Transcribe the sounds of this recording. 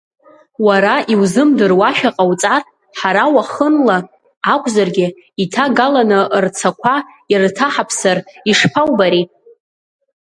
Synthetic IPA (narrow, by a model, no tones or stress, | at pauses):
waɾaʔiwzɨmdɨrwaʃᶣaqʼawt͡sʼarʼ | ħaɾawaχənlaː | kʷʼʰzarɡʲɪ | itʰaɡalanɨʔrt͡sʰakʷʰa | irtʰaħapʰsariʂpʰawbaɾitʼ